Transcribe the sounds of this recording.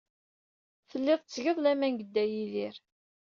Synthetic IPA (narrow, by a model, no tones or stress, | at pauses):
θəlːɪðˤt͡sːʝəðˤlæmænɡəd̪ːæjiðiɾ